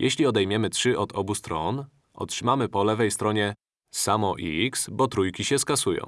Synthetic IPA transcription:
jʔɛɕlʲiɔd̪ɛjmʲjɛmɘtʂɘʔɔd̪ɔbust̪ɾɔn | ʔɔ̰tʂɘmamɘpɔlɛvɛjst̪ɾɔɲɛ | samɔʔiiksbɔt̪ɾujkʲiɕɛskasujɔ̰̃w̃

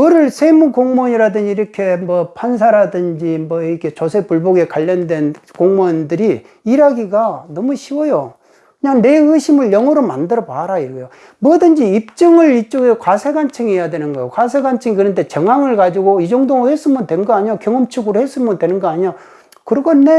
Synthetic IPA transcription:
mɯɾɯɭsʰemukoŋmoɲiɾadɯnd͡ʑiːɾʌkʰe̞mwʌpʰans̬ʰaɾadɯnd͡ʑimwʌiɾkʰe̞t͡ɕosʰepuɭboɡe̞kaʎːʌndwe̞n | koŋmondɯɾiː | ɾaɡiɡanʌmuɕʰiwʌjo | kɯɲaŋne̞ɯɕʰimɯɭjʌŋʌɾomandɯɾʌbaaɾaiɾɡjo | muʌdɯnd͡ʑiip̚t͡ɕ͈ɯŋɯɭit͡ɕ͈oɡekwasʰeɡant͡ɕʰɯŋiɦejadwe̞nɯnɡʌjokwasʰe̞ɡant͡ɕʰɯŋikɯɾʌnde̞t͡ɕʌŋaŋɯɭkad͡ʑiɡoid͡ʑoŋdoŋohes͈ɯmɯndwe̞nɡʌaɲɲokjʌŋʌmt͡ɕʰuɡɯɾohes͈ɯmɯndwe̞nɯnɡʌaɲiɲo | kɯɾʌɡʌnːe

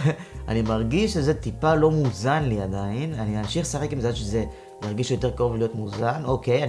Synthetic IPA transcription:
ʔa̰nimaʁɡiʃʃeze̞t̪ipalo̞muzanliad̪ainaniamʃiχsaχekimzaʃeze̞ | jaʁɡiʃjo̞teʁkaʁovlijo̞t̪muzano̞keja

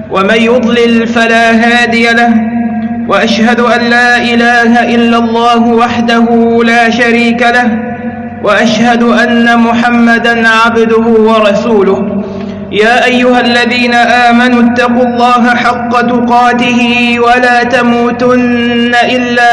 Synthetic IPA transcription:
wʔamanjʊd̪ˤlɪlfalaːɦaːd̪ɪjalah | waʔaʃhad̪ʊʔanlaːʔɪlaːɦaʔɪlːalˤːɑːɦʊwaħd̪aɦuːlaːʃaɾiːkalah | waʔaʃhad̪ʊʔanːamʊħamːad̪anʕabd̪ʊhʊwɑɾˤɑsuːlʊh | jaːʔajːʊhalːaðiːnaʔaːmanʊt̪ːɑqulˤːɑːɦaħɑqːɑt̪ʊqɑːt̪ɪhɪwalaːt̪amuːt̪ʊnː | aʔɪlːaː

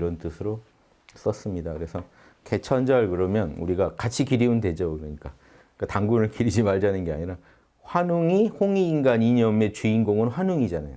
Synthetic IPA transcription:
ɾʌntɯsʰɯɾo | s͈ʌs͈ɯmɲidakɯɾe̞sʰʌ | ke̞t͡ɕʰʌnd͡ʑʌɭkɯɾʌmjʌnṵɾiɡakat͡ɕʰikiɾiunde̞d͡ʑʌkɯɾʌɲik͈a | kataŋɡunɯɭkiɾid͡ʑimaɭd͡ʑanɯnɡe̞a̰ɲiɾa | ɸwanuŋihoŋiːŋɡaɲiɲʌme̞t͡ɕuinɡoŋɯnɸwanuŋid͡ʑana̰jo

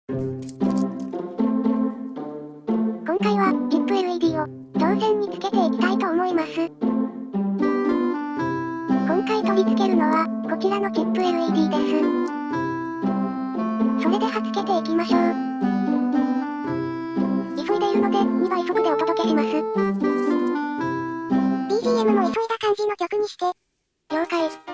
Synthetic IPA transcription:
kõ̞ŋkaiβakʲipːɯ̟eɾɯ̟eb̪ʲiːo̞ | t̪õɰzẽ̞ɲ̟ːit͡sɨ̥ke̞t̪e̞ikʲi̥t̪ait̪o̞ːmo̞imasɨ | kõ̞ŋkait̪o̞bʲit͡sɨ̥ke̞ɾɯ̟no̞βaɡ̥o̞kʲiɾano̞kʲipːɯ̟eɾɯ̟ebʲiːd̪e̞sɨ | so̞ɾe̞d̪e̞hat͡sɨ̥ke̞t̪e̞ikʲimaɕo̞ː | d͡ʑisoid̪e̞iɾɯ̟no̞d̪e̞ɲiβaisok̪od̪eo̞t̪o̞d̪o̞ke̞ɕemasɨ | b̪̥ʲiːd̪ʲiːe̞mɯ̟no̞isoid̪akãɲ̟d͡ʑino̞kʲokɯ̟ɲ̟iɕi̥t̪e̞ | jo̞ːkai

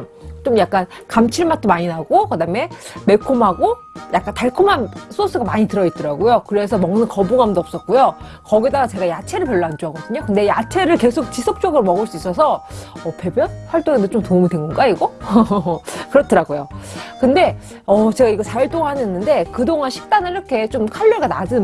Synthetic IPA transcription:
t͡ɕomjak̚k͈an | kamt͡ɕʰiɭmat̚t͈omaɲinaɡokɯdame̞me̞kʰomɦaɡo | jak͈antaɭkʰomans͈ʰos͈ɯɡamaɲitɯɾʌit̚t͈ʌɾaɡojokɯɾe̞sʰʌmʌŋnɯnkʌbuŋamndoʌp̚s͈ʌt̚k͈ujo | kʌɡidaɡat͡ɕe̞ɡajat͡ɕʰe̞ɾɯɭpjʌɭːʌand͡ʑoaɡʌdɯɲokɯnde̞jat͡ɕʰe̞ɾɯɭke̞sʰok̚t͡ɕisʰʌp̚t͡ɕ͈ʌɡɯɾomʌɡɯɭs͈uis͈ʌsʰʌʌpe̞bjʌnɸwaɭt͈oŋendet͡ɕomtomidweŋɡʌnɡaiɡʌ | kɯɾʌtʰɯɾaɡojokɯnde̞ | ʌt͡ɕe̞ɡaiɡʌsʰaiɭt͈oŋanenːɯnde̞kɯdoŋanɕʰi̥k̚t͈anɯiɾʌkʰe̞t͡ɕomkʰaʎːʌɭɡana̰d͡ʑɯ

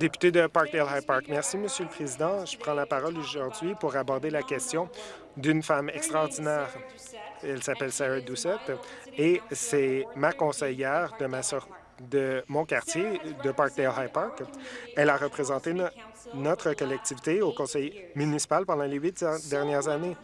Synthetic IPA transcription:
d̪epy̥t̪ed̪əpɑɹk̚d̪elɦapɑɹkmɛʁsiməsjøləpχezid̪ɑ̃ʒəpχɑ̃lapaʁɔloʒuʁd̪ɥipuʁabɔʁd̪elakʲɛst̪jɔ̃ | d̪ynfamɛkst̪χɑːʁd̪inɛːʁ | ɛlsapɛlsaʁɛd̪usɛt̪ | esɛmakɔ̃sɛjɛːʁd̪əmasɔʁ | d̪əmɔ̃kaʁt̪jed̪əpɑɹk̚d̪elɦapɑɹkɛlaʁəpχezɑ̃t̪e | nɔt̪χəkɔlɛk̚t̪ivit̪eokɔ̃sɛjmynisi̥palpɑ̃d̪ɑ̃lewit̪d̪ɛʁnjɛːʁzane

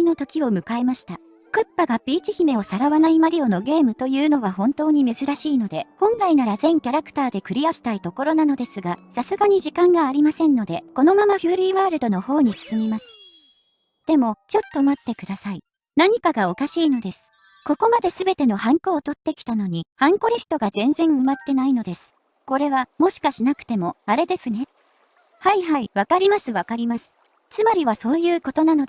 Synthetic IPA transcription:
ino̞t̪o̞kʲio̞mɯ̟kae̞maɕi̥t̪a | kɯ̟pːaɡapʲiːt͡ɕiçime̞o̞saɾaβanaimaɾʲio̞no̞ɡe̞ːmɯ̟t̪o̞jɯ̟ːno̞β̞aɦõ̞nt̪o̞ːɲ̟ime̞zɨɾaɕiːno̞d̪e̞hõ̞nɾainaɾazẽ̞ŋkʲaɾakɯ̟̥t̪aːd̪e̞kɯ̟ɾʲiaɕi̥t̪ait̪o̞ko̞ɾo̞nano̞d̪e̞sɨɡasasɨɡaɲ̟iʑikãŋɡaːɾʲimasẽ̞nːo̞d̪e̞ko̞no̞mamaɸɯ̟ːɾʲiːβaːɾɯ̟d̪o̞no̞ho̞ːɲ̟isɨ̥sɨmʲimasɨ̥ | d̪̥e̞mo̞t͡ɕo̞t̪ːo̞mat̪ːe̞kɯ̟d̪asai | naɲ̟ikaɡao̞kaɕiːno̞d̪e̞sɨ̥ | ko̞ko̞mad̪e̞sɨbe̞t̪e̞no̞hãŋko̞ːt̪o̞t̪ːe̞kʲi̥t̪ano̞ɲ̟ihãŋko̞ɾʲisɨ̥t̪o̞ɡazẽ̞nzẽ̞ɰɯ̟mat̪ːe̞naino̞d̪e̞sɨ̥ | ko̞ɾe̞βamo̞ɕi̥kaɕinakɯ̟̥t̪e̞mo̞aɾe̞d̪e̞sɨne̞ | haiɦaiβakaɾʲimasɨβakaɾʲimasɨ̥ | t͡sɨmaɾʲiβaso̞ːjɯ̟ːko̞t̪o̞nano̞d̪e

